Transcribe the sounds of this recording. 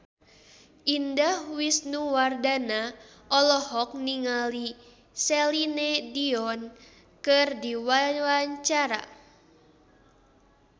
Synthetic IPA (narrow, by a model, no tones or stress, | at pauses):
ʔindahwisnuwardana | ʔɔlɔhɔk̚niŋali | sɛlinɛdiɔn | kɨrdiwawaɲt͡ʃaɾa̰